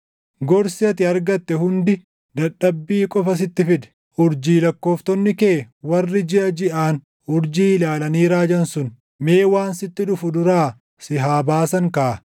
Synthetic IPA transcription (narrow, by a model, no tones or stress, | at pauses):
ɡɔɾsɪɐt̪ɪɐɾɡɐt̪ːɛhʊnd̪ɪ | d̪ɐᶑːɐbːiːkʼɔfɐs̬ɪt̪ːɪfɪd̪ɛ̥ | ʊɾd͡ʒiːlɐkːo̞ːft̪ɔnːɪkeːwɐrːɪd͡ʒɪʔɐd͡ʒɪʔaːn | ʊɾd͡ʒiːɪlaːlɐniːɾaːd͡ʒɐnsʊn | meːwaːnsɪt̪ːɪᶑʊfʊd̪ʊɾaː | sɪɦaːbaːsɐŋkɐʔɐ